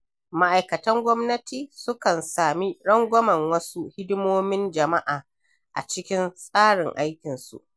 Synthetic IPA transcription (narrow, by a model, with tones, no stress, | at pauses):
ma˦ʔa˨jkɐ˨tɐ˦ŋɡʷɔ˦mnɐ˦tiː˨sʊ˦kɐ˨nsaː˨mi˦ɽɐ˦ŋɡʷɔ˦mɐ˨ŋwɐ˦su˦hɪ˦dɪ˦moː˦mɪ˦nd͡ʒɐ˨ma˦ʔaː˨ | ʔa̰˨t͡ʃɪ˦kʲɪ˦nsʼaː˦ɽɪ˨ŋʔa˦jkʲɪ˨nsṵ˨ʔ